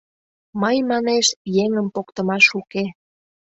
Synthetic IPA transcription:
məjmɑneʃjeŋəmpokt̪ə̆mɑʃuke

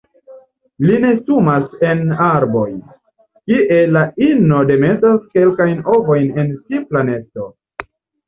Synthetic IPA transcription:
line̞sumase̞naɾbo̞jn | kiʔe̞laino̞de̞metaske̞lkajno̞vo̞jne̞nsiplane̞to̞

